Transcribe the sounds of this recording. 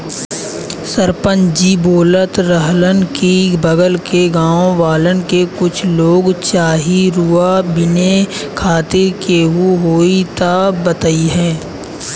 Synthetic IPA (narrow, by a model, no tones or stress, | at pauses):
səɾpə̃nd͡ʒiboːlət̪ɾəɦlənkibəɡəlkeɡãːõʋaːlənkekʊt͡ʃʰloːɡt͡ʃaːɦiɾuabɪnekʰaːt̪eɾkeɦuɦoːit̪abət̪əiɦɛ̃ː